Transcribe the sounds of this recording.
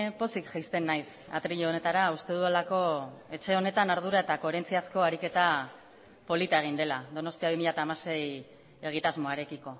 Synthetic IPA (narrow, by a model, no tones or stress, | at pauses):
po̞sikʝajst̪e̞nːajs | a̰t̪ɾiʎoone̞t̪aɾaust̪e̞ð̞ualako̞e̞t͡ʃe̞o̞ne̞t̪anaɾð̞uɾae̞t̪ako̞e̞ɾe̞nt͡siasko̞aɾike̞t̪a | po̞lit̪ae̞ɣ̞ind̪e̞lad̪o̞no̞st̪iaβimiʎat̪aːmase̞j | e̞ɣ̞it̪azmo̞aɾe̞kiko̞